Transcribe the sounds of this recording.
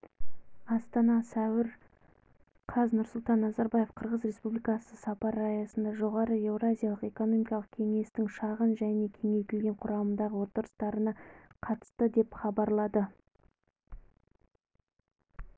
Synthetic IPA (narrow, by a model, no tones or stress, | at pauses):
ɑst̪ɑnɑsæwɪɾ | qʰɑznʊɾsʊlˠt̪ɑnːɑzɑɾbaje̞fqʰəɾʁəzɾe̞spublʲijkɑsəsɑpɑɾɑjɑsənd̪ɑʒo̞ʁɑɾəe̞vrazʲijɑlˠəqe̞ko̞no̞mijkɑlˠəq̚kʲʰe̞ŋe̞st̪ɪŋʃɑʁənʒæne̞kʲʰe̞ŋe̞jkʲɪlɡʲe̞ɴqʰʊɾɑmənd̪ɑʁəwo̞t̪əɾəst̪ɑɾənɑqʰɑt̪ə̥st̪əd̪e̞pχɑbɑɾlˠɑd̪ə